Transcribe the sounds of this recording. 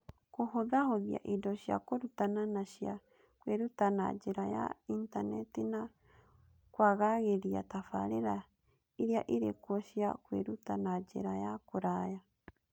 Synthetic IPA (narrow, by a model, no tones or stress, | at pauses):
kohoðahoðija̰ʔidoʃia̰koɾutananaʃia | kweɾutanad͡ʒeɾaja̰intanɛtina | kwaɣaɣeɾia̰tafaɾeɾa | iɾiaʔiɾekwoʃiakweɾutanad͡ʒḛɾajakoɾaja